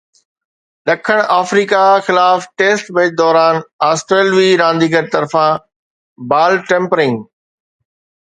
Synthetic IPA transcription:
ɗɐkʰəɽ̃aːfɾiːkaxɪlaːfʈeːsʈmẽːd͡ʑd̪ɔːɾaːnaːsʈɾeːlʋiɾãːn̆d̪iːɡəɾt̪ɐɾfã | baːlʈẽːmpɾɪ̃ŋɡ

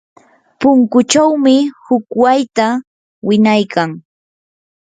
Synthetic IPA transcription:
pʊŋkʊt͡ʃawmɪhʊkwajt̪a | wɪnajkʰaŋ

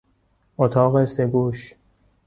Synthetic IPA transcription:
ʔot̪ʰɒːɣeseɡuʃ

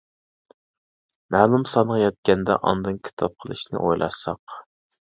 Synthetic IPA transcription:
mæːlˠumsɑnʁɑjɛt̪̚kʲɛnd̪ɛ̰ʔɑnd̪ɨnkʲʰi̥t̪ʰɑp̚qʰəlˠɨʃnɪ̰ʔojlˠɑ̰ʃsɑq

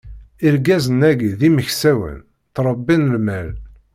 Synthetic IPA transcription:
iɾɡæzənːæɡðiməçsæwə̰n | θɾˤəbːinəlmæl

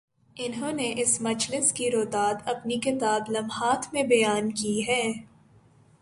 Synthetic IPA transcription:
ɪnɦõːneʔɪsmɐd͡ʒlɪskiɾoːd̪aːd̪ɐpnikɪt̪aːblɐmhaːt̪ʰmẽbɐjaːnkiɦɛː

